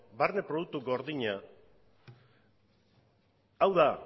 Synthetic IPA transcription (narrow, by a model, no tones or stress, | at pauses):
baɾnepɾoðuk̚t̪uɡo̞ɾðiɲa | awða